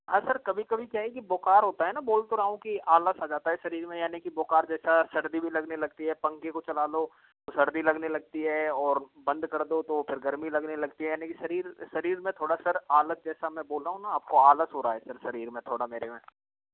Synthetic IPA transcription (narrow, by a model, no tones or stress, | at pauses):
asɐɾkɐbʱikɐbʱikjaːɦɛkiboːkaːɾɦoːt̪aɦɛnaboːlt̪oɾaːɦũkiaːləsaːd͡ʒaːt̪aɦɛsɐɾiːɾmẽjaːnikiboːkaːɾd͡ʒɛːsasɐɽd̪ibʱilɐɡnelɐɡ̚t̪iɦɛpɐ̃ŋkekot͡ʃɐlaːlo | t̪osɐɽd̪ilɐɡnelɐɡ̚t̪iɦɛːɔːɾbɐ̃nd̪kɐɾd̪ot̪opʰɪɾɡɐɾmilɐɡnelɐɡt̪iɦɛjaːnikisɐɾiːɾsɐɾiːɾmẽt̪ʰoːɽasɐɾaːlət̪̚d͡ʒɛːsamɛ̃boːlɾaːɦũnaaːp̚koaːləsɦoːɾaːɦɛsɐɾsɐɾiːɾmẽt̪ʰoːɽameːɾemḛ̃ː